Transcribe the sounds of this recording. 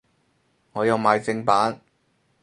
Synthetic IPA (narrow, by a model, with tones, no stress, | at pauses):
ŋɔː˨˧jɐ˨˧wmaː˨˧jt͡sɪ˧ŋpaː˨˥n